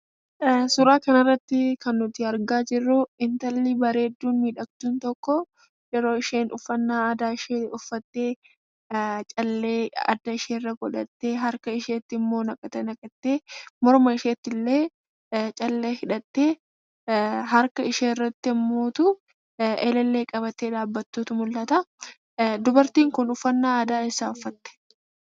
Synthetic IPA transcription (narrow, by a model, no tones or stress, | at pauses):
sʊɾaːkɐnɐɪrːɐt̪ːɪkɐnːʊt̪ɪɐɾɡaːd͡ʒɪrːʊɪnt̪ɐlːɪbɐɾe̞ːd̪ːuːnmiːᶑɐkt̪uːnt̪ɔkːɔ | jɛɾo̞ːɪʃeːnʔʊfːɐnːaːɐd̪aːɪʃeːʊfːɐt̪ːeː | t͡ʃʼɐlːeːɐ̰d̪ːɐɪʃeːrːɐɡɔᶑɐt̪ːeːɦɐɾkɐɪʃeːt̪ːɪɪmːo̞ːnɐkʼɐt̪ːɛnɐkʼɐt̪ːeːmɔɾmɐɪʃeːt̪ːɪlːe̞ː | t͡ʃʼɐlːeːhɪᶑɐt̪ːe̞ː | ɦɐɾkɐɪʃeːɪrːɐt̪ːɪɪmːo̞ːt̪ʊ | ʔɛlɛlːe̞ːkʼɐβɐt̪ːeːᶑ̪aːbːɐt̪ːuːt̪ʊmʊlːɐt̪ɐ | d̪ʊbɐɾt̪iːŋkʊnʊfːɐnːaːɐːd̪aːɛsːaːʊfːɐt̪ːɛ̥